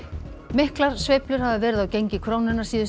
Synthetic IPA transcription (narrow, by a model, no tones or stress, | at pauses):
mɪhklaɾ̥svejplʏɾ̥havðɪvɛːɾɪðawcejɲcɪkʰɾoːwnɪnːaɾ̥siːðʏ